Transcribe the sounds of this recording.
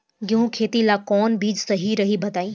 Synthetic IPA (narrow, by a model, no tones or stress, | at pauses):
ɡɪɦũkʰeːt̪ilaːkɔːnbiːd͡ʒsɐɦiɾɐɦibʱɐd̪aːĩː